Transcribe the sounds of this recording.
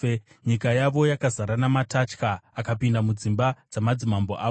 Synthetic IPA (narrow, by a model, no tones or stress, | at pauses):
ɲikajaʋo̞jakazaɾanamatat͡ʃkaːkapindamud͡zimbad͡zamad͡zimambo̰ʔaːʋo